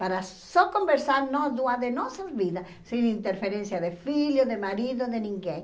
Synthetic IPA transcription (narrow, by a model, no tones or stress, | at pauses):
paɾa | sɔkombeɾsaɾnɔzðuaðenɔsazβiða | sinint̪eɾfeɾẽnsjaðefiʎoðemaɾiðoðenĩŋɡẽŋ